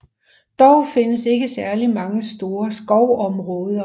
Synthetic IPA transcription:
d̥ɒʊfe̝nəse̝ɡ̥əsæɐlimɑ̈ŋəsd̥o̝ːɐsɡ̥ɒʊ̰ɒ̽mʁɔ̽ːðˠɐ

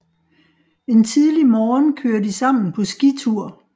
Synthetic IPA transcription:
e̝nt͡sʰiðˠlimɒːnkʰøːɐdisɑ̈m̰n̩pʰɒ̽sɡ̥it͡sʰuɐ̰

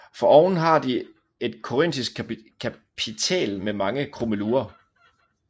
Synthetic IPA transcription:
fɒ̽ɒʊn̩ɦɑ̈d̥i | e̝d̥̚kʰo̝ʁen̰d̥isɡ̥̚kʰæpʰit͡sʰɛ̰ːlmemɑ̈ŋəkʰʁo̝məluːɐ

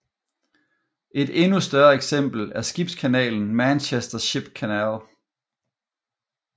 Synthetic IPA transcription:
ʔe̝d̥e̝nusd̥ɶɐeɡ̥sem̰b̥l̩æɐsɡ̥ib̥skʰænɛ̰ːln̩mænɕesd̥ɐɕib̥kʰænɛl

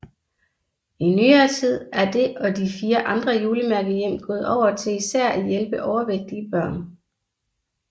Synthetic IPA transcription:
inyːɐːt͡sʰið̞̰ˠæɐd̥e̝ɒ̽d̥ifiːɐʔɑ̈nd̥ʁɐjuːləmæɐɡ̥ðjem̰ɡ̥ɔ̽ːð̩ˠɒʊ̰ɐt͡sʰe̝isæɐ̰æjelb̥əʔɒʊɐʋeɡ̥̚d̥iəb̥ɶɐ̰n

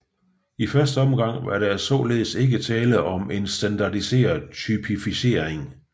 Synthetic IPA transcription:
ifɶɐsd̥əɒ̽mɡ̥ɑ̈ŋ̰ʋɑɐɾ̥æsɒ̰ːle̝ːð̞̩ˠse̝ɡ̥ət͡sʰɛːləɒ̽me̝nsd̥ænd̥ɑ̈dise̝̰ːɐðˠt͡sʰypʰifise̝ːɐ̰eŋ

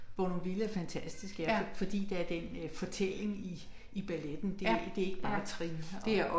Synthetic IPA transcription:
ʋɒnonʋilæɐfænt͡sʰæsd̥isɡ̥æɐfɒ̽d̥ḭːd̥eæɐd̥en̰fɒ̽t͡sʰel̰e̝ŋi | ib̥æled̥n̩d̥ed̥e̝æe̝ɡ̥əb̥ɑ̈ːt͡sʰʁḭːe

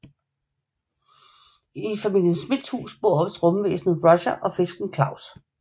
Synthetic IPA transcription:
ifæmil̰jənsːmid̥shṵːsb̥o̝̰ɐɒ̥sʁɔ̽məʋḛːsn̩ʁɒɕɐʔɒ̽fe̝sɡ̥n̩kʰlɑ̈ʊ̰s

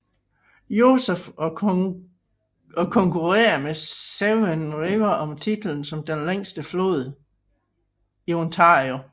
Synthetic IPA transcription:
jo̝sefɒ | ɒkʰɒ̽ŋkʰuʁḛːɐmeseʊenʁeʊɐʔɒ̽mt͡sʰid̥l̩n̩sɒ̽md̥enleŋ̰sd̥əflo̝ːð̞ˠ | iont͡sʰɑ̈ːʁio

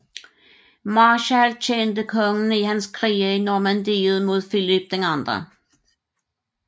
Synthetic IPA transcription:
mɑːɕælt͡ɕʰend̪əkʰɔŋn̩ihænskʰʁiːəinɔmænd̪iːð̩ˠmuðˠfɪlɪb̥̚d̥̪eŋɑnd̪ʁə̰

